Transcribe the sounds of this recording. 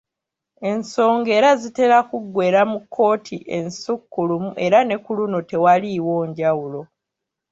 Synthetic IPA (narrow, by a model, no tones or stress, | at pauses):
e̞nso̞ːŋɡe̞ːɾazite̞ɾakuɡwe̞ːɾamukʰːo̞ːtʰiʔe̞nsukːulumuʔe̞ɾane̞kulunote̞waliwo̞ːɲɟawulo̞